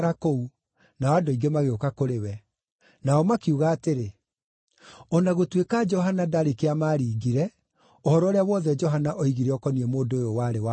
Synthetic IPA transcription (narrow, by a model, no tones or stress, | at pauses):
ɾakou | naɔadoiɡemaɣeokakoɾewɛ | naɔmakiuɣaːteɾe | ɔnaɣotwekad͡ʒɔɦanadaɾikeamaːɾiːɡiɾɛ | ɔhɔɾɔːɾeawɔðɛd͡ʒɔɦanaʔɔiɣiɾeɔkɔniɛmoːdoejowaɾewa